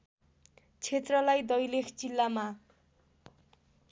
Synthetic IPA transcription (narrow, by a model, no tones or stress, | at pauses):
t͡sʰet̪rʌlajd̪ʌjlekʰt͡silːama